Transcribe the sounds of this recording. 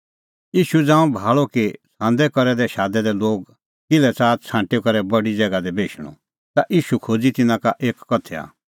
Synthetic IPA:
iːʃud͡zãːũbʱaːɭokisãːnd̪ɛkɔɾɛd̪ɛʃaːd̪ɛd̪ɛloːɡ | kɪlɛt͡saːt͡sʰãːɳʈekɐɾɛbɐɽid͡zɛɡad̪ɛbʱeːʃɽ̃ɔ̰ | t̪aʔiːʃukʰoːd͡zit̪ɪnãkaʔeːkːɔt̪ʰɛa̰ː

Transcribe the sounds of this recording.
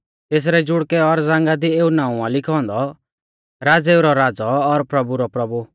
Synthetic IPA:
t̪eːs̬ɾɛd͡ʒʊɽkɛɔɾd͡zãːŋɡad̪ieːunaːũalɪkʰɔ̃nd̪ɔ | ɾaːd͡zeːuɾɔɾaːd͡zɔːɾpɾɐbuɾɔpɾɐbu

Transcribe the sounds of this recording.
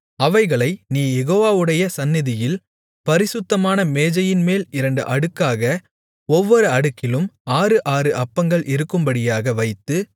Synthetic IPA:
ɐʋɐɪɣɐɭɐɪniːjɛɣoːʋaːʋɯɽɐjɐsɐnːɪðɪjɪl | pɐɾɪsɯt̪ːɐmaːnɐmeːd͡ʒɐjɪnmeːlɪɾɐɳɖɯ̰ʔɐɽɯkːaːɣɐ | ɔʋːɔɾɯɐɽɯkːɪlɯmaːrɯʔaːrɯʔɐpːɐŋɡɐɭʔɪɾɯkːɯmbɐɽɪjaːɣɐʋɐɪt̪ːɯ

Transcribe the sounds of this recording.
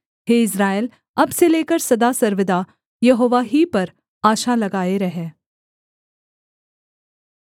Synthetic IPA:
ɦeːɪs̬ɾaːjl | ɐbseleːkəɾsɐd̪asɐɾʋɪd̪a | jɐɦoːʋaɦipɐɾ | aːʃalɐɡaːeɾɐɦɛ̃ː

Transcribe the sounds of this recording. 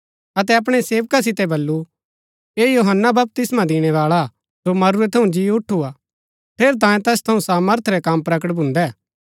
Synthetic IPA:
ɐt̪ɛɐp̬ɽ̃ɛseːʋkas̬ɪt̪ɛbɐlːu | eːjoɦənːabɐp̚t̪ɪsmãd̪ɪɽ̃ɛʋaːɭa | d͡ʒomɐɾuɾɛt̪ʰɐũd͡ʒiʊʈʰːua | t̪ʰeːɾt̪̬ãːẽt̪ɛːst̪ʰɐũsaːməɾt̪ʰɾɛkampɾɐk̬əʈ̚bʱʊ̃nd̪ɛː

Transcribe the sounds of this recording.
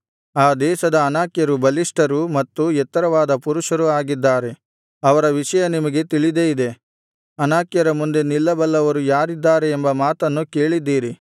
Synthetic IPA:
aːd̪ɛːʃɐd̪ɐːnaːkjɐɾubɐliʂʈɐɾumɐt̪ːuɛt̪ːɐɾɐʋaːd̪ɐpuɾuʂɐɾuaːɡid̪ːaːɾe̞ | ɐʋɐɾɐʋiʂɐjɐnimɐɡe̞t̪iɭid̪e̞id̪e̞ | ɐnaːkjɐɾɐmund̪e̞nilːɐbɐlːɐʋɐɾujaːɾid̪ːaːɾeːmbɐmaːt̪ɐnːuke̞ːɭid̪ːiːɾi

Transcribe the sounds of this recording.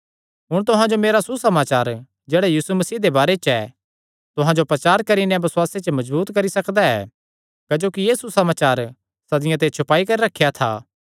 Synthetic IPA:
ɦʊɽ̃t̪̬ʊɦãd͡ʒomeːɾasusɐmaːt͡ʃaːɾ | d͡ʒeːɽɛjiːsumɐsiːd̪ebaːɾet͡ʃɛ | t̪ʊɦãd͡ʒopɾɐt͡ʃaːɾkɐɾinɛ̃bɐsʊwaːset͡ʃmɐd͡ʒbuːt̪kɐɾisɐkd̪aɛ̰ | kɐd͡ʒoːkijeːsusɐmaːt͡ʃaːɾ | sɐd̪ɪjãt̪̬et͡ʃʰʊpaːikɐɾiɾɐkʰːjat̪ʰa̰ː

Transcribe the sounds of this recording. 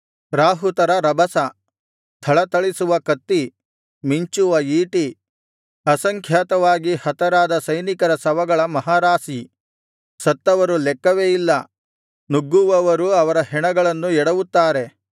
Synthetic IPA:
ɾaːɦut̪ɐɾɐɾɐbʱɐsɐ | t̪ʰɐɭɐt̪ɐɭisuʋɐkɐt̪ːi | miɲt͡ʃuʋɐiːʈi | ɐsɐŋkʰjaːt̪ɐʋaːɡihɐt̪ɐɾaːd̪ɐsɐjnikɐɾɐsɐʋɐɡɐɭɐmɐɦaːɾaːsi | sɐt̪ːɐʋɐɾulɛkːɐʋeːjilːɐ | nuɡːuʋɐʋɐɾuɐʋɐɾɐɦɛɳɐɡɐɭɐnːuɛɽɐʋut̪ːaːɾe̞

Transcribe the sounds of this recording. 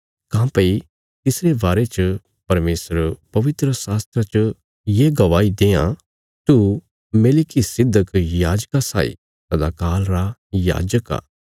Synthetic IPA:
kãːpɐi | t̪ɪsɾebaːɾet͡ʃ | pɐɾmeːsəɾpɐʋɪt̪ɾəsaːst̪ɾat͡ʃ | jeɡɐʋaːid̪eːã̰ | t̪u | meːlikisɪd̪ʱːəkjaːd͡ʒkasa̰ːḭ | t̪ɐd̪akaːlɾaja̰ːd͡ʒəka̰ː

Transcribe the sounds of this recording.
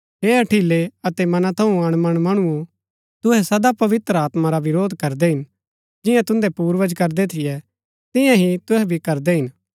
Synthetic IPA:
ɦeːɐʈʰileɐt̪ɛmɐnãt̪ʰɐũɐɽ̃mɐɽ̃mɐɽ̃ʊũ | t̪ʊɦɛsɐd̪apɐʋɪt̪ɾaːt̪maɾaʋɪɾoːd̪kɐɾd̪ɛɦɪn | d͡ʒɪ̃jãt̪ʊ̃nd̪ɛpuːɾʋəd͡ʒkɐɾd̪ɛt̪ʰɪjɛ | t̪ɪjãɦit̪ʊɦɛbʱikɐɾd̪ɛɦɪn

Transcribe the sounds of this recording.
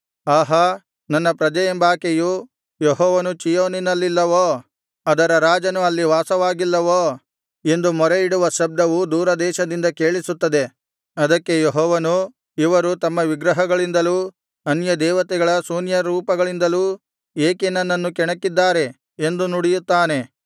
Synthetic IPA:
aːɦɐ | nɐnːɐpɾɐd͡ʒɐjɐmbaːkeju | jeɦɔːʋɐnut͡ʃijoːninɐlːilːɐʋoː | ɐd̪ɐɾɐɾaːd͡ʒɐnuɐlːiʋaːsɐʋaːɡilːɐʋoː | e̞nd̪umɔɾeiɽuʋɐʃɐb̚d̪ɐʋud̪uːɾɐd̪ɛːʃɐd̪ind̪ɐke̞ːɭisut̪ːɐd̪e̞ | ɐd̪ɐkːe̞jeɦɔːʋɐnu | iʋɐɾut̪ɐmːɐʋiɡɾɐɦɐɡɐɭind̪ɐluː | ɐnjɐd̪ɛːʋɐt̪ɛɡɐɭɐsuːnjɐɾuːpɐɡɐɭind̪ɐlu | eːkenɐnːɐnːukɛɳɐkːid̪ːaːɾe̞ | e̞nd̪unuɽijut̪ːaːne̞

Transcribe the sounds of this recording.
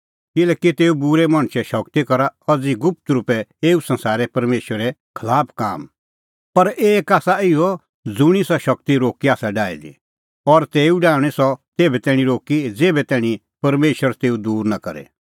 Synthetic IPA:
kɪlɛːkit̪eːubʊɾɛmɐ̃ɳ̃ʃɛʃɐkt̪ikɐɾaɐd͡ziɡʊp̚t̪ɾʊpɛeːusɐ̃nsaːɾɛpɐɾmeːʃʋəɾɛkʰɐlaːpʰka̰ːm | pɐɾeːkaːsaɪjɔ | d͡zʊɽ̃isɔʃɐkt̪iɾoːkiaːsaɖaːḭd̪ḭ | ɔɾt̪eːuɖãːɛsɔt̪eːbɛt̪ɛːɽ̃ĩɾoːkid͡zeːbɛt̪ɛːɽ̃ĩ | pɐɾmeːʃʋəɾt̪eːud̪uːɾnakɐ̰ɾɛ̰

